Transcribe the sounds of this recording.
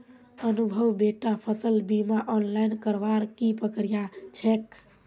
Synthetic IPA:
ənubʱəwbeʈapʰəsəlbimaʔɔnlainkəɾʋaɾkipəkɾijat͡ʃʰek

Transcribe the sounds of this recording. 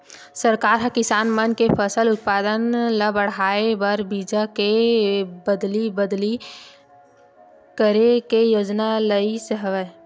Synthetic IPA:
səɾkaːɾɦə̃kɪsaːnmənkepʰəsəlʊt̪̚paːd̪ənləbəɽ̤aːebəɾbid͡ʒake | bəd̪libəd̪li | kəɾekejoːd͡ʒnaləisəɦəʋə

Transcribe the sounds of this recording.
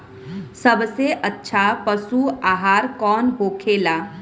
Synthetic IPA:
səbseʔətːʃʰapəsuaːɦaːɾkɔːnɦoːkʰeːlaː

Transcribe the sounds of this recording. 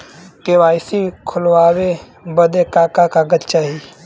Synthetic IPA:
kewaːjsikʰʊlwaːwe | bəd̪ekaːkakaɡət̪t͡ʃaːɦi

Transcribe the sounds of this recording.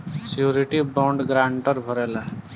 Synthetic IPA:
sjuɾiʈibõɳɖɡɾaɳʈəɾbʱəɾɛla

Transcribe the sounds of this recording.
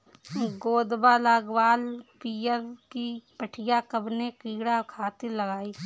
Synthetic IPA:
ɡoːd̪balaːɡwaːlpijəɾkipəʈʰɪjakəbnekiːɽakʰaːt̪eləɡaːiː

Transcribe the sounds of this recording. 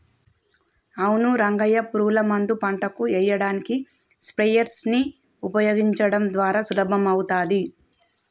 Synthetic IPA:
ɐwunuɾɐŋɡɐjɐpuɾuːlɐmɐnd̪upɐɳʈɐkuɛjːɐɽaːniki | spɾɛjɐɾsni | upɐjoːɡiɲt͡ʃɐɽɐmd̪ʋaːɾaːsulɐbʱɐmɐwut̪aːd̪i

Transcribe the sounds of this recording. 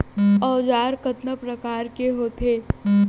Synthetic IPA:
ɔːd͡ʒaːɾkət̪nəpɾɐkaːɾkeɦoːt̪ʰeː

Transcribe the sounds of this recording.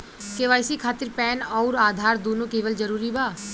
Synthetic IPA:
keʋaːjsikʰaːt̪ɪɾpɛːnɔːɾaːd̪ʱaːɾd̪oːnõkeːʋəld͡ʒəɾuːɾibaː

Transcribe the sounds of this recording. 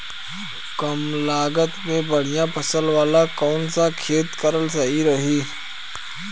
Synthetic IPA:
kəmlaːɡət̪mẽbəɽ̤ijãːpʰəsəlʋaːlakoːnsãkʰeːt̪kəɾəlsəɦiɾəɦiː

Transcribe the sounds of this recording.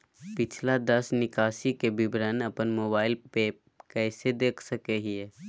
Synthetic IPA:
pɪt͡ʃʰlad̪əsnɪkaːsikebɪbɾənɐpənmoːbaːɪlpe | kɛːsed̪eːkʰsəkeɦiɛ

